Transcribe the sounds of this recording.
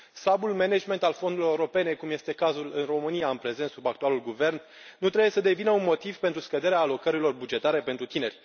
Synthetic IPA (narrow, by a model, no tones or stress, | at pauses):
slabulmened͡ʒme̞nt̪alfo̞nd̪uloeɾo̞pe̞ne̞kumje̞st̪e̞kazulɨnro̞mɨnijaɨnpɾe̞zent̪subak̚t̪ualulɡuve̞rnː | ut̪ɾe̞bujesəd̪e̞vinəunmo̞t̪iv̥pe̞nt̪ɾuskəd̪e̞ɾeaːlo̞kəɾilo̞rbud͡ʒe̞t̪aɾe̞pent̪ɾut̪ine̞rʲ